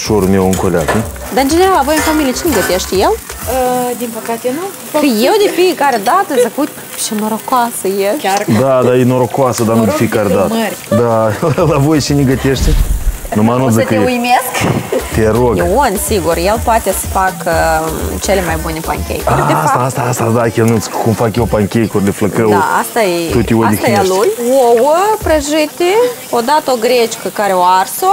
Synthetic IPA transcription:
ʃoɾumʲewɨŋkolʲa̰t̪ə | d̪aɨnd͡ʒeneɾalavo̞jɨnfamilʲiet͡ʃinʲeɡət̪eʃt̪ʲjeləd̪inpəkat̪enu | əjewd̪ʲefijekaɾed̪at̪əzəkut̪ʲ | ʃinəɾokwasəjeʃd̪ad̪ajenoɾokoasəd̪anud̪efijekaɾʲed̪at̪əɾʲd̪alavojt͡ʃinʲeɡət̪eʃt̪ʲenumanuzəkəjeujmʲeskt̪ʲeɾoɡwunʲsiɡurjelpoat̪esə̥fakət͡ʃelemajbunʲe̞pa̰ŋkʲḛjkrʲst̪aast̪aast̪ad̪akʲelnɨskumfakjewpaŋkʲejkorʲlʲefləkəw̪aa̰st̪ajet̪ott̪iwolʲik̪jalujwowəpɾəʒɨt̪ʲe | od̪at̪əoɡɾet͡ʃkəkaɾʲeoarso

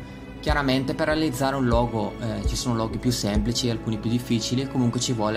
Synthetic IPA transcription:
kjaɾament̪eperːealid̪zːaːɾeũnlɔːɡot͡ʃisoːnolɔːɡipjusːemplit͡ʃiealkuːnipjud̪ifːiːt͡ʃilikomuŋkwet͡ʃivwɔːle

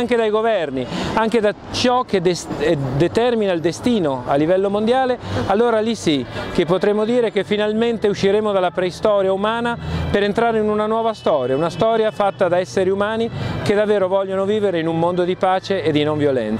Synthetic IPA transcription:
ŋk̟ed̪ajɡovɛrniaŋk̟ed̪a | t͡ʃɔkːed̪esd̪et̪ɛrminaild̪est̪iːnoa̰lːivɛlːomond̪jaːlealːoːɾalisikepːot̪ɾemːod̪iːɾek̟efːinalment̪euʃːiɾeːmod̪alːapɾɛist̪ɔːɾjaumaːnapeɾent̪ɾaːɾeinunanwɔːvast̪ɔːɾjaunast̪ɔːɾjafat̪ːad̪aɛsːeɾiumaːnik̟ed̪avːeːɾovɔʎːonoviːveɾeinumːond̪od̪ipaːt͡ʃeːd̪ːinoɱvjolɛ̰nt̪

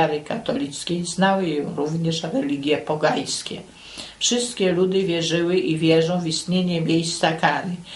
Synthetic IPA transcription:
aɾɘkat̪ɔlʲit̪skʲejznawɘjɔ̃wɾuvɲɛʂɾɛlʲiɡʲjɛpɔɡaj̃skʲɛ̰ | fʂɘst̪̚kʲɛlud̪ɘvʲjɛʐɘwɘʔivʲjɛʐɔ̃w̃vist̪ɲeɲɛmʲjejst̪sakaɾɘ

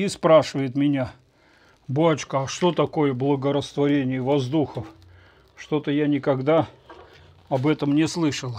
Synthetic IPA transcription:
ispɾaʂɨvəjɪt̪mʲɪnʲa | boɐt͡ɕkəɐʂt̪o̞t̪ɐko̞jəblˠəɡəɾəst̪vɐɾʲenʲɪjəvɐzd̪uxəf | ʂt̪o̞t̪əjanʲɪkɐɡd̪a | ɐbɛt̪əmnʲɪslˠɨʂəlˠ

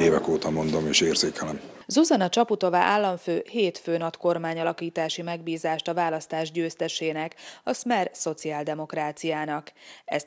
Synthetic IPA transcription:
eːvɛkoːt̪ɒmo̞nd̪omeːʃeːrzeːkɛlɛmzuzɒnɒt͡ʃɒput̪o̞va̰ʔaːlːɒɱføːheːt̪føːnɒt̪ko̞rmaːɲɒlɒkiːt̪aːʃimɛɡbiːzaːʃt̪ɒvaːlɒst̪aːʒɟøːst̪ɛʃeːnɛkɒsmɛrso̞t̪siaːld̪ɛmo̞kraːt̪sijaːnɒkɛ̰s

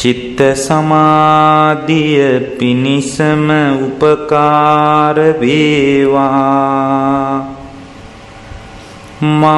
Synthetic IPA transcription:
t͡ʃit̪ɾəsɐmaːd̪ijəpinisəməupəkaːɾəʋeːʋaː | ma

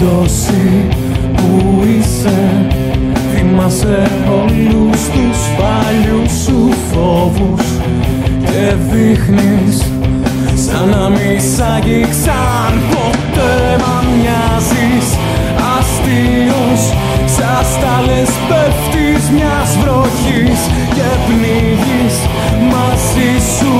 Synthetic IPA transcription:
os | i | puise | ðimɐse | olust̪usfɐ | ʎusuθo̞vus | ceðixnis | sɐnɐmisɐʝiksɐ | npot̪e | mɐmɲɐzis | ɐst̪i | us | sɐst̪ɐlespeft̪izmɲɐzvɾoçis | cevni | ʝis | mɐzisu

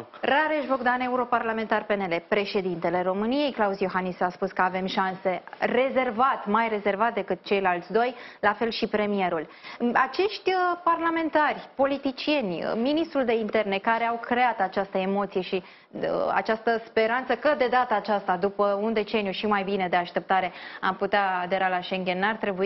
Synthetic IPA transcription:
ɾaɾeʃvo̞ɡd̪ane̞uɾo̞parlame̞nt̪arpe̞nele̞pɾe̞ʃe̞d̪int̪e̞le̞ɾo̞mɨnije̞jklausjo̞xanisaspuskəave̞mʃanse̞re̞ze̞rvat̪majre̞ze̞rvat̪̚d̪e̞kɨt̪̚t͡ʃe̞jlalt̪sʲd̪o̞jlafe̞lʃipɾe̞mije̞ɾulat͡ʃe̞ʃt̪ʲəparlame̞nt̪arʲpo̞lit̪it͡ʃije̞n̰ʲminist̪ɾuld̪e̞int̪e̞rne̞kaɾe̞awkɾe̞at̪at͡ʃast̪əemo̞t̪sije̞ʃi | a̰t͡ʃast̪əspe̞ɾant̪səkəd̪e̞d̪at̪aːt͡ʃast̪ad̪upəund̪e̞t͡ʃe̞nijuʃimajbine̞d̪e̞aʃt̪e̞p̚t̪aɾe̞a̰mput̪eaːd̪e̞ɾalaʃe̞ŋɡʲe̞nːart̪ɾe̞bui

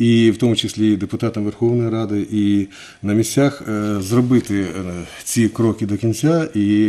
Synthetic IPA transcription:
iwt̪ɔmʊt͡ʃɪsʲlʲid̪epʊt̪ɑt̪ɐmʋerxɔwnɔjiɾɑd̪ɪʔi | nɐmʲisʲt͡sʲaxzrɔbɪt̪ɪ | t͡sʲikɾɔkʲɪd̪ɔkʲinʲt͡sʲai

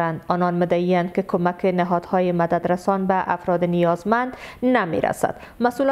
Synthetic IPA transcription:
and̪ɒnɒnmɪd̪aiand̪kɪkʰomakʰɪnɪɦɒd̪hɒjɪmad̪ad̪ɾasɒnbaʔafɾɒd̪ɪnijɒzmand̪namḛɾa̰sa̰d̪̥ | masul

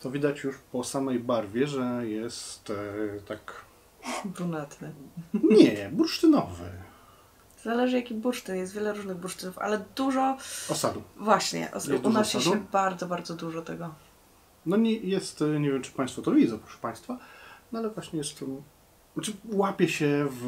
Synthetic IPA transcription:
t̪ɔvʲid̪at͡ɕjuʂpɔsamɛjbaɾvʲjɛʐɛjɛst̪t̪ak | bɾunat̪nɘɲɛbuɾʂt̪ɘnɔvɘ̰ | zalɛʐɨjakʲibuɾʂt̪ɨnjɛst̪vʲjɛlɛɾuʐnɘɣbuɾʂt̪ɘnufa̰lɛd̪uʐɔɔsad̪uvwaɕɲɛ̰ʔɔ̰d̪unasjɛuɛbaɾd̪zɔbaɾd̪zɔd̪uʐɔt̪ɛɡɔ | nɔɲɛjɛst̪ɲevʲjɛmt͡ʂɘ̥paj̃st̪fɔt̪ɔɾɔvʲizapɾɔ̥ʂɛ̥paj̃st̪fanɔalɛvwaɕɲɛjɛstɛ | naɘwapʲjɛɕɛv

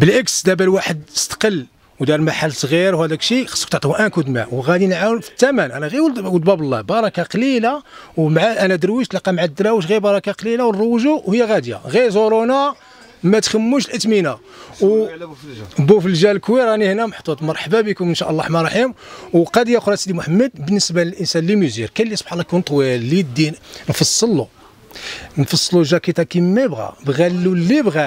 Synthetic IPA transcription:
bəlʔəksd̪æbælwaħəd̪ə̥st̪ə̥qəlː | wd̪ɑɾˤmaħalːsˤɣiɾwhæd̪ækʃixɑ̥sːə̥kt̪əʕt̪ihʔænkud̪mæ̰wɣæd̪inʕawnfə̥t̪ːæmænʔænæɣiwwəd̪bæbəlˤːɑ̰bɑɾˤɑkɑqlila | wmʕaʔænæd̪əɾwiʃt̪lɑqɑmʕad̪ːɾæwəʃ̬ɣiɾbɑɾˤɑkaqlilawnrˤəwʒuwhəjːæɣæd̪ja̰ɣiɾzoɾona | mæt̪xəmːuʃlʔət̪mina | w | bufəlʒælkwiɾˤɑnihnæməħt̪ˤut̪ˤmɑɾˤħbæbikʊmənʃæʔlːɑħmɑɾˤɑħimwqɑd̪jæxɾˤɑsd̪imʊħəmːəd̪̚bənːəsbæləlʔənsænlimuzḭɾkælːisˤbħɑlːɑkunt̪ˤwilːid̪ːinnfɑsˤːəlːu | nfɑsˤːluʒækit̪ækimmːæjbɣæ̰bɣælːulːibɣæ

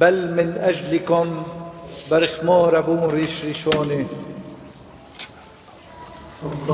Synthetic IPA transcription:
balmɪnʔaʒlɪkʊm | baɾɪxmoːɾabuːnɾiːʃɾiʃoːni

